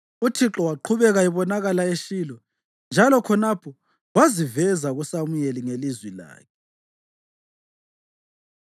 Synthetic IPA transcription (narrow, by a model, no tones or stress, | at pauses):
utʰiǁɔwaǃʰuβɛɣaiβɔnaɣalaeʃiːlɔ | nd͡ʒʱalɔkʰɔnapʰɔ | wazivɛzaɣusamujeliŋelizwila̰ːkʰɛ